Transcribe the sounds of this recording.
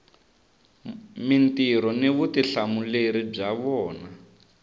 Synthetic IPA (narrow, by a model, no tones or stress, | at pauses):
mintiɾɔniβutiɬamuleɾib͡ʐaβɔːna